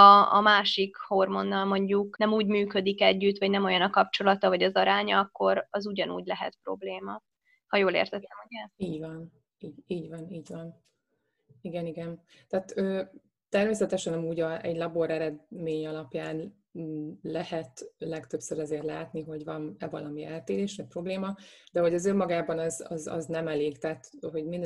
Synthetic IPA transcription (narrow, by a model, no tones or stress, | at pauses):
ɒɒmaːʃikho̞rmo̞nːɒlmo̞ɲɟuknɛmuːɟmyːkø̞d̪ikɛɟːyt̪ʋɒɟnɛmo̞jɒnɒkɒp̚t͡ʃo̞lɒt̪ɒvɒɟɒzɒɾaːɲɒɒkːo̞ɾɒzuɟɒnṵːɟlɛɦɛ̰t̪pro̞̰bleːmɒ | hɒjoːlḛːrt̪ɛt̪ːɛmoɛiːɟvɒn | iːɟiːɟʋɒniːɟvɒn | iɡɛniɡɛn | t̪aːt̪øː | t̪ɛrmeːsɛt̪ɛʃɛnɒmuːɟɒʔɛɟlɒbo̞ɾɛɾɛd̪meːɲɒlɒpjaːnː | lɛhɛt̪lɛkt̪ø̞psøɾɛzeːrlaːt̪niɦo̞ɟvɒnɛvɒlɒmiɛlt̪eːɾeːʃnɛpro̞bleːmɒd̪ɛɦo̞ɟɒzømːɒɡaːbɒnɒzɒ̰zɒ̰znɛmɛleːɡt̪aːt̪ɦo̞ɟmin